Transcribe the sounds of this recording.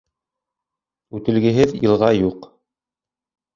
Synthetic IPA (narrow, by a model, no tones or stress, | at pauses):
ʉt̪ɘ̆lɡɘ̆ɦɘðjɤ̆lˠʁɑjuq